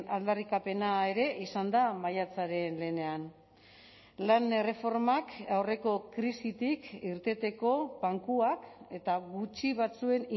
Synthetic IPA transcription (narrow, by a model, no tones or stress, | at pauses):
ald̪arikape̞naeɾe̞ʔisand̪amajat͡saɾe̞nle̞ne̞an | lanere̞fo̞ɾmakawre̞ko̞kɾisit̪ikiɾt̪e̞t̪e̞ko̞βaŋkuake̞t̪aɣut͡ʃiβ̞at͡sue̞ni